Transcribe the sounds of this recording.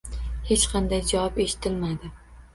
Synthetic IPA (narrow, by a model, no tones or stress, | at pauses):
he̞t͡ʃqʰɑnd̪ajd͡ʒawɒpeʃɪ̥t̪ʰɪlmad̪ɪ